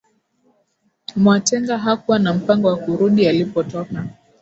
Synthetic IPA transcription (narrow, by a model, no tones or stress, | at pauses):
mwatɛŋɡaɦakuwanam̩paŋɡɔwakuɾuɗialipɔtɔka